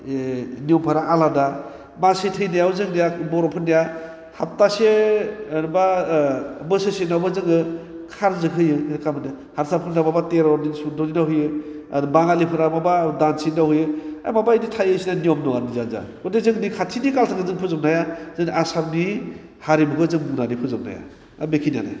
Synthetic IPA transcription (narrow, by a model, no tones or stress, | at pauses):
niɔmpʰaɾaʔalada | masitʰɯjnajawzɯŋnijabɔɾɔpʰɯnija | hap̚tase | ba | bɯsɯsenawbazɯŋɯ | kʰaɾzɯkɦɯjɯɾkamɯni | haɾsʰap̚kʰɯnababateɾɔɾnisudɔninaɦɯjɯ | abaŋalipʰɯɾababadansinahɯjɯa̰jmabaiditʰajɯsinaniɔmnɔanizanza̰kɔdezɯŋnikʰatʰinikalsʰakɯzɯŋpʰɯzɯp̚najazɯnasapni | haɾibuɡɯzɯŋbunanipʰɯzɯp̚na̰ja̰ | bekʰina̰na̰